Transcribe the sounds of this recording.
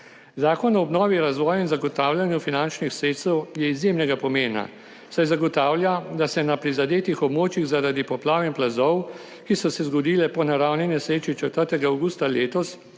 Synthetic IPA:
zaːkɔnɔːbnɔːʋiɾazʋɔːjinzaɡɔt̪aːwljanjufinant͡ʃnixsɾeːt̪st̪ɛwjɛizjeːmnɛɡapɔmeːna̰ | sajzaɡɔt̪aːwljad̪asɛnapɾizad̪eːt̪ixɔbmoːt͡ʃjiɣzaɾad̪ipɔplaːʋimplazɔw | kisɔsɛzɡɔd̪iːlɛpɔnaɾawninɛsɾeːt͡ʃit͡ʃɛt̪əɾt̪ɛɡaawɡuːst̪aleːt̪ɔs

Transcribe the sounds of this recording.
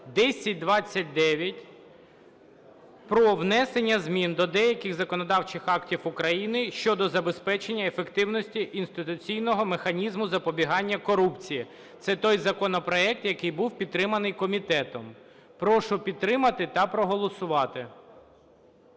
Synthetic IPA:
d̪ɛsʲɐt̚ʲd̪ʋɑt͡sʲːɐt̚ʲd̪ɛʋʲjɐtʲ | pɾɔʋnɛsenʲːɐzmʲind̪ɔd̪ɛjɐkɪxzɐkɔnɔd̪ɑwt͡ʃɪxɑktʲiwʊkɾɐjinɪʃt͡ʃɔd̪ɔzɐbespɛt͡ʃenʲːɐefekt̪ɪwnɔsʲtʲiʔinst̪ɪt̪ʊt͡sʲijnɔɦɔmexɐnʲizmʊzɐpɔbʲiɦɑnʲːɐkɔɾupt͡sʲiji | t̪sɛt̪ɔjzɐkɔnɔpɾɔɛk̚t̪jɐkɪjbuwpʲid̪̚t̪ːɾɪmɐnɪjkɔmʲit̪ɛt̪ɔm | pɾɔʃʊpʲid̪̚t̪ːɾɪmɐt̪ɪt̪ɐpɾɔɦɔlˠɔsʊʋɑt̪ɪ

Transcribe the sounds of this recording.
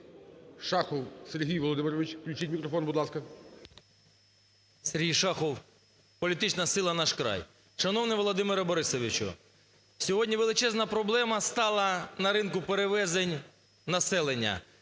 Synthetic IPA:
ʃɑxɔwseɾʲɦijʋɔlˠɔd̪ɪmɪɾɔʋɪt͡ʃklʲʉt͡ʃitʲmʲikɾɔfɔnbʊd̪lˠɑskɐ | serʲɦijʃɑxɔw | pɔlʲit̪ɪt͡ʃnɐsɪlˠɐnɑʃkɾɑ̰j | ʃɐnɔwnɪʋɔlˠɔd̪ɪmeɾɐbɔɾɪsɔʋʲit͡ʃʊ̰ | sʲɔɦɔdʲnʲiʋelˠɪt͡ʃɛznɐpɾɔblˠɛmɐst̪ɑlˠɐnɐɾɪnkʊpeɾeʋɛzenʲ | nɐsɛlˠenʲːɐ̰

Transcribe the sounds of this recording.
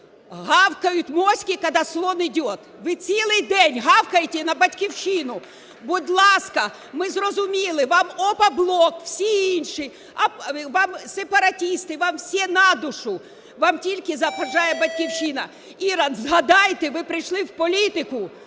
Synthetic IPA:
ɦɑwkɐjʊtʲmɔsʲkʲikɐd̪ɑslˠɔnɪdʲɔt̪ | ʋɪt͡sʲilˠɪjd̪ɛnʲɦɑwkɐjetʲɛnɐbɐtʲkʲiwʃinʊ | bʊd̪ʲlˠɑskɐ | mɪzrɔzʊmʲilˠɪʋɑmɔpɐblˠɔkw̥sʲiinʃi | ɐʋɑmsepɐɾɐtʲist̪ɪʋɑmwsʲɛnɑd̪ʊʃʊ | ʋɑmtʲilʲkɪzɐpɐʒɑjɛbɐtʲkʲiwʃɪnɐ | iɾɑnzɦɐd̪ɑjt̪eʋɪpɾɪjʃlˠɪwpɔlʲit̪ɪkʊ

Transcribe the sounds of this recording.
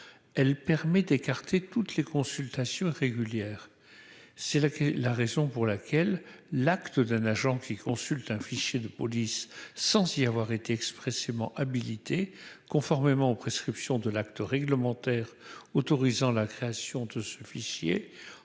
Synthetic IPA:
ɛlpɛʁmɛd̪ekaʁt̪et̪ut̪lekɔ̃sylt̪asjɔ̃ʁeɡʲyljɛːʁ | sɛlaʁezɔ̃puʁlakʲɛlː | akt̪əd̪ɛ̃naʒɑ̃kʲikɔ̃sylt̪ɛ̃fiʃjed̪əpɔlisːɑ̃ziavwaʁet̪eɛkspχɛsemɑ̃ʔabilit̪ʰekɔ̃fɔʁmemɑ̃opχeskχipsjɔ̃d̪əlakt̪əʁɛɡləmɑ̃t̪ɛːʁot̪ɔʁizɑ̃lakχeasjɔ̃d̪əsəfiʃjḛ

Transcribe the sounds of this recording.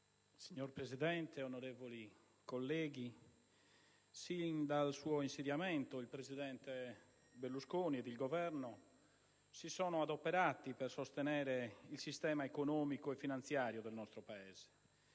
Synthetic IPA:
siɲːorpɾezid̪ɛnt̪eonoɾeːvoli | kolːɛːɡi | sind̪alsuːoinsed̪jamɛnt̪oilpɾeziðɛnt̪e | belːuskoːniɛd̪ilɡovɛɾno | sisɔːnoad̪opːɛɾaːt̪ipɛrsost̪enɛːɾeilsist̪ɛːmaekonɔːmikoɛfːinant̪sjaːɾjod̪ɛlnɔst̪ɾopaɛːz̥e̥

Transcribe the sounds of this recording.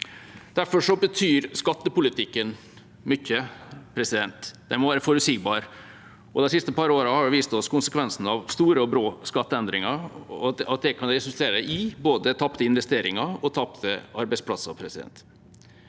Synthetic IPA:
d̪̥æɾfɔʂɔbət̪ʰyːɾskɑt̪ːəpʊlɪt̪ʰɪkːən | mʏçːəpʰɾɛsɪd̪ɛnt̪d̪ɛmɔʋæːɾəfɔɾʉsɪɡbɑːɾ | ʔɔd̪ɛsɪst̪əpʰɑɾəoːɾəhɑɾɪʋiːst̪ɔskʰʊnsəkʰʋɛnsn̩ɑʋst̪uːɾəɔbɾoːskɑt̪ːəɛnd̪ɾɪŋɑɾɔɑt̪̚d̪ɛkʰɑnɾɛsʉlt̪ʰeːɾəəɪboːd̪ət̪ʰɑpt̪əɪnʋɛst̪eːɾɪŋɑɔt̪ʰɑpt̪ʰəɑɾbæɪspʰlɑsːə̰pʰɾɛsɪd̪ɛ̰nt̪

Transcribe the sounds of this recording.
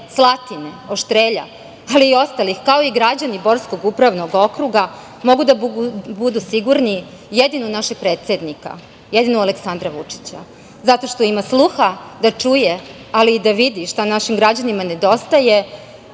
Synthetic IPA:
slˠat̪ine̞oʃt̪ɾeːʎa̰ | aliːo̞st̪alixkao̞iɡɾad͡ʑanibo̞ɾsko̞ɡupɾaʋnoɡo̞kɾuɡa | mo̞ɡud̪abud̪usiɡuɾni | jed̪inunaʃeɡ̚pɾeːt̪sʲed̪nika̰ | jed̪inualeksand̪ɾaʋut͡ʂi̥t͡ɕa̰ | zat̪o̞ʃt̪o̞imaslˠuxad̪at͡ʂuje | aliːd̪aʋid̪iʃt̪anaʃimɡɾad͡ʑanimane̞d̪o̞st̪aje̞

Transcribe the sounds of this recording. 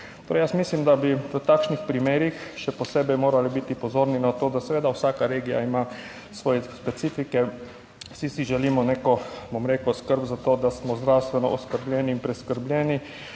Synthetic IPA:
t̪oːɾejəsmislimd̪abiʋət̪aːkʃnixpɾimeːɾixʃɛpɔseːbɛjmoːɾalibit̪ipɔzoːɾninat̪oːd̪asɛʋeːd̪awsakaɾeːɡija̰ima | sʋɔːjɛspɛt̪siːfikɛ | sisiʒɛlimɔnekɔbomɾekɔskəɾbzat̪oːd̪asmɔzd̪ɾawst̪ʋɛnɔ̰ʔɔskəɾbljɛːniːnpɾɛskəɾblʲjɛːni

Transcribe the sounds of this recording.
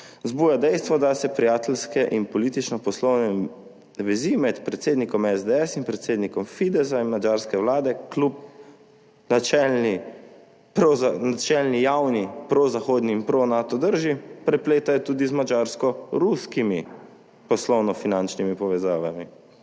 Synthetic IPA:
zbuːjad̪ɛjst̪ʋɔd̪asɛpɾijaːt̪ɛlskɛʔinpɔliːt̪it͡ʃnɔpɔslɔwnɛ | ʋɛzimɛt̪pɾɛt̪seːd̪nikɔmɛzd̪ɛɛsinpɾɛt̪seːd̪nikɔmfid̪ɛzainmad͡ʒaːɾskɛwlaːd̪ɛklup̚ | t͡ʃɛni | nat͡ʃɛlnijawnipɾozaxoːd̪niːnpɾonaːt̪ɔd̪əɾʒipɾɛpleːt̪ajɔt̪uːd̪izmad͡ʒaɾskɔɾuskimi | pɔslɔwnɔfinant͡ʃnimipɔʋɛzaːʋami

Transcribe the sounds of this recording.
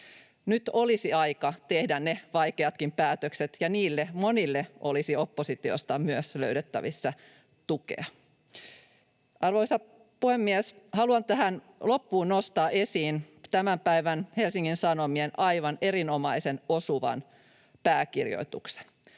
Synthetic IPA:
nyt̪olisiɑjkɑt̪ehdænneʋɑjkeɑt̪kimpæːt̪økset̪jɑniːlːemo̞nilːeʔolisio̞pːosit̪io̰st̪ɑmyøsløyɾet̪ːæ̰ʋisːæ | t̪ukḛɑ | ɑrʋoisɑ | puhemːieshɑluɑnt̪æɦæn | lo̞pːuːnnost̪ɑːe̞siːn | t̪æmæmpæiʋænhe̞lsiŋːinsɑno̞mienʔɑjʋɑne̞ɾino̞mɑisenosuʋɑ̰n | pæːkirjo̰it̪ṵkse̥n

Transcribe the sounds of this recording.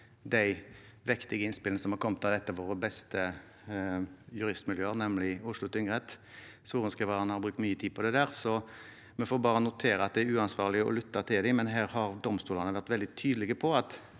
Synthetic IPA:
d̪æɪ | ʋɪkt̪ɪɡəɪnspɪləsɔmhɑɾkʰɔmːət̪ɑʋd̪ɛt̪ːəʋoːʁəbɛst̪ə | jʉɾɪst̪mɪljøːəʁnɛmlɪʊʂlʊt̪ʰʏŋʁɛt̪suːʁənskɛʋɑnəhɑɾbʁʉːkt̪myːət̪ʰiːd̪̚pʰɔd̪ɛd̪æːʁsɔ | mɛfoːbɑːɾənʊt̪ʰeːɾəɑt̪̚d̪ɛæɾʉːɑnsʋɑːʁlɪəɔ̰lʏt̪ːɑt̪ʰɪld̪ɪmɛnɦæːɾhɑʁd̪ɔmst̪uːlɑnəʋæʁt̪ʋɛld̪ɪt̪ʰyːd̪əlɪɡəpʰɔɑt̪

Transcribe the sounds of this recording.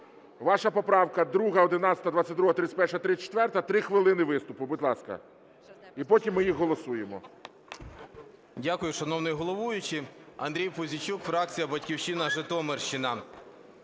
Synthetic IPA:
ʋɑʃɐpɔpɾɑwkɐd̪ɾuɦɐɔd̪ɪnɑt͡sʲsʲɐt̪ɐd̪ʋɑtt͡sʲːɐt̚ʲd̪ɾuɦɐt̪ɾɪt͡sʲsʲt̚ʲpɛrʃɐt̪ɾɪt͡sʲːt͡ʃe̥t̪ʋɛrt̪ɐt̪ɾɪxʋɪlˠɪnɪʋɪst̪ʊpʊbʊd̪lˠɑskɐ̰ | ipɔtʲimːɪjixɦɔlˠɔsujemɔ | dʲakʊjʊʃɐnɔwnɪjɦɔlˠɔʋujʊt͡ʃɪɐ̰nd̪ɾʲijpʊzʲit͡ʃukfɾɑk̚t͡sʲijɐbɐtʲkʲiwʃinɐʒɪt̪ɔmerʃɪnɐ

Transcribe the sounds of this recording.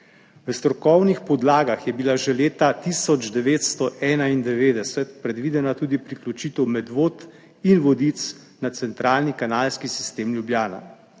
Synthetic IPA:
ʋəst̪ɾɔkɔwnixpɔd̪laːɡaxjɛbilaʒɛleːt̪at̪isɔd͡ʒd̪ɛʋeːt̪st̪ɔʔɛːnaind̪ɛʋeːd̪ɛsɛt̪pɾɛd̪ʋiːd̪ɛnat̪uːd̪ipɾiklʲut͡ʃiːt̪ɛwmɛd̪ʋot̪ | inʋɔd̪it̪s | nat̪sɛnt̪ɾaːlnikanaːlskisi̥st̪eːmlʲjubjaːna̰

